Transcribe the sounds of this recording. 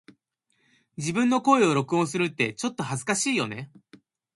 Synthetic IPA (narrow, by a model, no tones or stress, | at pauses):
d͡ʑibɯ̟̃nːo̞ko̞eo̞ɾo̞kɯ̟õsɨɾɯ̟t̪ːe̞t͡ɕo̞t̪ːo̞hazɨkaɕiːjo̞ne̞